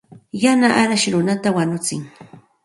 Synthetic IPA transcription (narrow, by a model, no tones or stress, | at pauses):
janaʔaɾaʃɾʊnat̪awaɲʊt͡sɪ̰ŋ